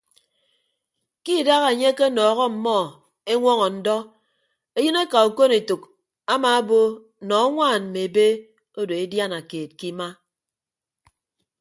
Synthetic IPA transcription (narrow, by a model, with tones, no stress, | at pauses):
ki˦˨da˦ɣa˨e˨ɲe˦ke˦nɔː˨ɣɔ˦m̩˨mɔ˦˨ | e˦ŋʷɔ˦ŋɔ˨n̩˦dɔ˦ | e˦jɨ˦ne˦ka˨u˨ko˦ne˨tu˨k | a˦ma˨a˦bo˦˨ | nɔ˨˦a˦ŋʷaː˦˨nm̩˨me˨be˦ | o˦do˨e˦dja˦na˨keː˨t̚ki˦ma˦